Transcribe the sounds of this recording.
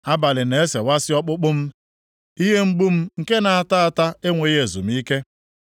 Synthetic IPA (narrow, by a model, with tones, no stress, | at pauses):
a˦ba˨lɪ˨ne˨e˦se˨wa˦sɪ˦ɔ˦k͡pʊ˦k͡pʊ˦m̩˦ | i˦ɦe˦ŋ͡m̩˦ɡ͡bu˦m̩˦ŋ̩˨ke˦na˨a˦˨ta˦a˨ta˦e˦ŋʷe˨˦e˨zṵ˨m̩˦i˦ke˦